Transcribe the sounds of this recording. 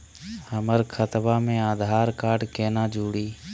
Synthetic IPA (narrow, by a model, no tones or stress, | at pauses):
həməɾkʰət̪baːmẽːaːd̪ʱaːɾkaːɖkeːnãːd͡ʒʱuːɽiː